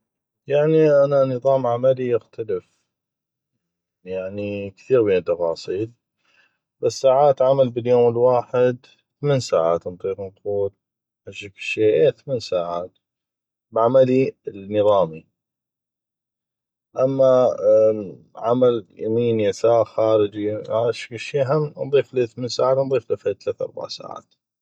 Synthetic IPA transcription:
jaʕniʔananɨðˤɑːmʕamalijɪxt̪ʰalɪf | jaʕnikθiːɾbeːnt̪ːɑfɑːsˤiːl | basːaːʕaːt̪ʕamalbɪljoːmɪlwaːħɪd̪ | θameːnsaːʕa̰ːt̪nt̪ˤiːɾnq̪uːt̪̚ | ħaʃːakʃeːʔeːθameːnsaːʕaːt̪ | bʕamalinɨðˤɑːmi | ʔamːa | ʕamaljamiːnjasaːxaːɾɪd͡ʒiaʃḁkʃiːʔaɦamːnðˤiːfliθmeːnsaːʕaːt̪nðˤiːflɪfat̪lat̪ʔɑ̰ɾˤba̰ʕsa̰ːʕa̰ːt̪

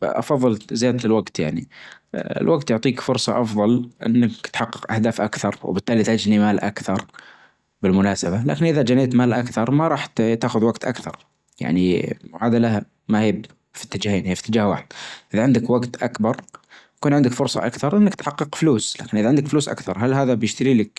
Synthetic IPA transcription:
ʔɑ̰fɑðˤːɨlzjaːd̪̚t̪ɪlwaɡt̪ja̰ʕni | ɪ̰lwaɡt̪jʊʕt̪ˤiːkfʊɾsˤɑʔɑfðˤɑlʔɪ̰nːakt̪ħɑqːɨ̥qʔahd̪aːfʔakθɑɾˤw̰bɪt̪ːaːlit̪had͡ʒnimaːlʔa̰kθɑɾˤ | bɪlmʊnaːsabala̰ːkɪnʔɪðad͡ʒaneːt̪maːlʔakθɑɾˤmaɾˤɑːħt̪t̪aːxʊðwaɡt̪ʔa̰kθɑ̰ɾˤ | ja̰ʕniʕaːd̪alaha | mahijb | fi̥t̪ːɪd͡ʒaːheːnhiːfi̥t̪ːɪd͡ʒaːhwa̰ːħɪd̪̥̚ʔɪðaʕɪnd̪ɪkwaɡt̪ʔakbɑɾˤ | kuːnʕɪnd̪ɪkfʊɾsˤɑ̰ʔakθɑɾˤʔɪnːakt̪ħɑqːɨqfluːsla̰ːkɪnʔɪðaʕɪnd̪ɪkfluːsʔa̰kθɑɾˤɦalɦaːðabjɪʃt̪aɾiːlɪk̚

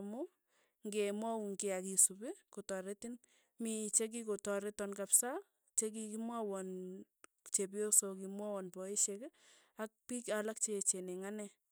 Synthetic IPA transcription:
mʊ | ŋɡemwauŋkeakisubɪkotɔɾetin | mit͡ʃek̬ikotɔɾetɔnkapsa | t͡ʃek̬ikimwawɔn | t͡ʃep̬iosokimwawɔnpɔiʃek | ak̚pikalak̚t͡ʃet͡ʃeneŋanɛ

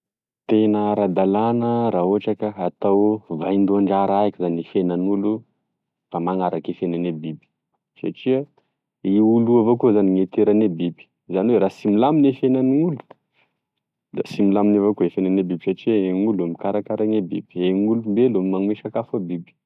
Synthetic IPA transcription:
t̪enəɾad̪alanəɾaɦoaʈ͡ʂakəat̪awvajnd̪uaɳɖ͡ʐaɾaakizanefenanulu | famaŋaɾakefenanebibi̥ | sa̰ʈ͡ʂiə | iuluavokuzaniŋet̪eɾanebibi̥ | zaniweɾasimilaminefenaniŋulu̥ | d̪asimilaminavokuefenanebibisaʈ͡ʂiəeŋulamikaɾakaɾaŋebḭbieŋulumbelomimaŋweʃakafabibi̥

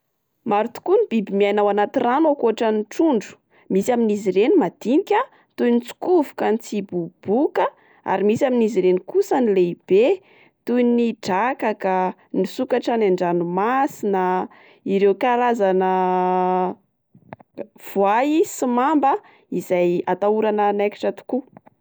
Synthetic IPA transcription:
maɾut̪u̥kunib̥ibimianawanat̪iranakuaʈ͡ʂəniʈ͡ʂuɳɖ͡ʐu̥ | misiaminizirenimad̪̥inikʲa | t̪unit͡su̥kuvu̥kant͡sibub̥ukə | a̰ɾimisaminiziɾenikusənileib̥e | t̪ujniɖ͡ʐakaka | nisukaʈ͡ʂanaɳɖ͡ʐanumasinə | iɾewkaɾazanə | v̥uaisimambə | izajat̪auɾanənajki̥ʈ͡ʂət̪u̥ku

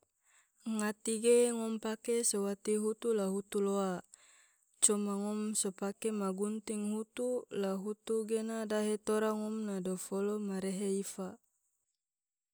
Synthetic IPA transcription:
ŋat̪iɡeŋɔmpakesowat̪iɦut̪ulaɦut̪uloa | t͡ʃɔmaŋɔmsopakemaɡunt̪iŋɦut̪ulaɦut̪uɡenadaɦet̪oɾaŋɔmnadofolomaɾeɦeifa

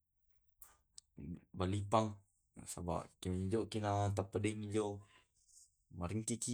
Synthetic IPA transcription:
balipaŋ | saba̰ʔkimid͡ʒokinat̪̬apːadiŋid͡ʒo | maɾiŋkiki

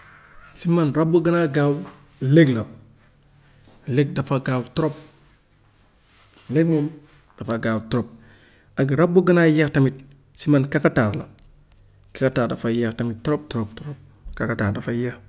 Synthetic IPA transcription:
simanɾabuɡənaɡaw | leɡla | lek̚dafaɡawtuɾop̚ | leɡ̚mom | d̥afaɡawtuɾop̚ | aɡɾabːuɡənajaxtamit̚ | simankakataɾla̰ | kakataːɾdafajaxtamittuɾop̚tuɾop̚tuɾop̚ | kakataɾdafajax

